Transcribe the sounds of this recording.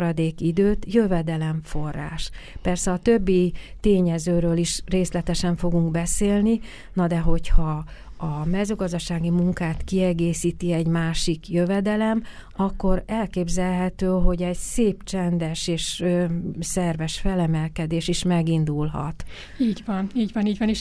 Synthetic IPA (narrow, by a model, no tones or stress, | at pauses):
ɾɒd̪eːkid̪øːt̪jøvɛd̪ɛlɛɱfo̞rːa̰ːʃpɛrsɛɒt̪ø̞bːit̪eːɲɛzøːɾøːliʃreːslɛt̪ɛʃɛɱfo̞ɡuŋɡbɛseːlni | nɒd̪ɛɦo̞chɒɒmɛzøːɡɒzd̪ɒʃaːɡimuŋkaːt̪kiɛɡeːsiːt̪iɛɟmaːʃikjøvɛd̪ɛlɛm | ɒkːo̞ɾɛlkeːbzɛlɦɛt̪øːɦo̞ɟɛɟseːpt͡ʃɛnd̪ɛʃeːʃøsɛrvɛʃfɛlɛmɛlkɛd̪eːʃiʃmɛɡind̪ulɦɒ̰t̪ | iːɟvɒniːɟvɒniːɟʋɒniʃ